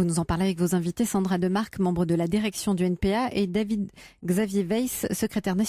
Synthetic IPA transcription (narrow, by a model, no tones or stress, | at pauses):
vunuzɑ̃paʁleavɛkvozɛ̃vit̪esɑ̃d̪ʁad̪əmaʁkmɑ̃bʁəd̪əlad̪iʁɛksjɔ̃d̪yɛnpeaʔed̪avid̪ɡzavjevɛjsːəkχet̪ɛʁnas